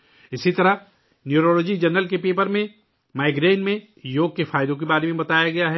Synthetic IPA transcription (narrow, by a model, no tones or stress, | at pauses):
ɪsit̪ɐɾə | njuːɾoːloːd͡ʒid͡ʒɐnəlkepeːpəɾmẽ | maːɪɡɾeːnmẽ | joːɡ̚kefʰaːjd̪õk̬ebaːɾemẽbɐt̪aːjaɡɐjaɦɛ